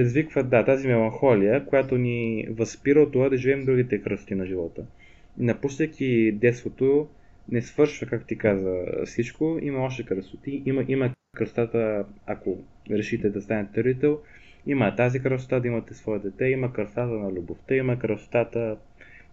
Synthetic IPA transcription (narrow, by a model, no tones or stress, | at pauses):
pɾɛd̪izvikvəd̪at̪azimɛlˠɐnxɔlijəkojat̪onivɐspiɾəot̪ːovad̪ɐʒivɛmd̪ɾuɡit̪ɛkɾəst̪inɐʒivɔt̪ə | nɐpuʃt̪əkʰʲid̪ɛt̪st̪vot̪o | nɛsvɤɾʃvəkakt̪o̥t̪ikazvə̰fsit͡ʃkoimɐɔʃt̪ɛkɾəsʊt̪iʔimɐʔimɐkɾəst̪at̪əako | ɾɛʃit̪ɛd̪ɐst̪anət̪t̪ɾit̪ɛlˠ | imɐt̪azikɾəso̥t̪ad̪ɐimɐt̪ɛsvɔɛd̪ɛt̪ɛimɐkəst̪at̪ənɐlʲuboft̪əimɐkɾəso̥t̪at̪ə